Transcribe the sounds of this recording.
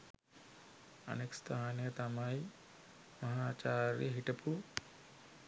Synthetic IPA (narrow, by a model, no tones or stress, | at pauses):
ɐ̰nekst̪ʰaːnjət̪amaj | mɐɦaːt͡ʃaːɾjə̰ɦiʈɐpu